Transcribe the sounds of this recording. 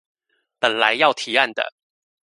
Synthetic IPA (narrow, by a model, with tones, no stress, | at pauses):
pə˨˩nla˧˦ɪjɑ˥˩ʊt̪ʰi˨˥˦a˥˩nd̪ə̰˨